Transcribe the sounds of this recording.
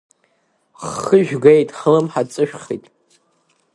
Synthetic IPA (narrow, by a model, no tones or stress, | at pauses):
χəʒᶣɡejtʼħəlɨmħat͡sʼɨʃᶣχḭjtʼ